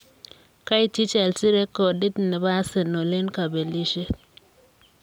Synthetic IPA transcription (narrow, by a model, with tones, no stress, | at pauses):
ka˦i˦ti˦t͡ʃɛ˨lsi˦ɾe˦ko˨di˦dnɛ˨ba˦se˨no˨le˦nka˨be˨li˦ʃe˦